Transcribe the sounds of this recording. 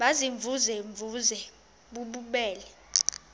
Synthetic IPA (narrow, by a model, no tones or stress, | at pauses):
ɓaziɱvʱuzɛɱvuzɛ | ɓuɓuɓɛːlɛ